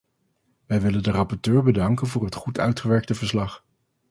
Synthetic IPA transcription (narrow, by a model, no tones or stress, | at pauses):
ʋɛjʋɪləndərɑpɔɹtøːɹbədɑŋkənvʊːɹɦətχutœ̰ɥtχəʋɛɹk̚təvəɹslɑχ